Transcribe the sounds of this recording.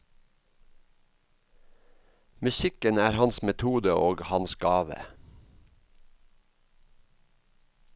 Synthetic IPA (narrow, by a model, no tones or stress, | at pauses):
mʉsɪkənæːɾhɑnsmɛt̪ʰuːd̪əʔoːɡhɑnsɡɑːʋə̰